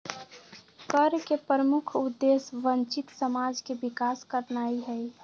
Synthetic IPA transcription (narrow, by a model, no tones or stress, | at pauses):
kəɾkepɾəmʊkʰʊd̪ːesʋənt͡ʃɪt̪səmaːd͡ʒkebɪkaːskəɾnaːiɦɛi